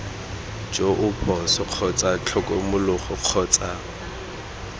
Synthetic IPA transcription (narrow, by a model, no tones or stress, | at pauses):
d͡ʒoʔʊpʰɔsɔq͡χʰɔt͡sʼat͡ɬʰɔkʼɔmʊlʊχɔq͡χʰɔːt͡sʼa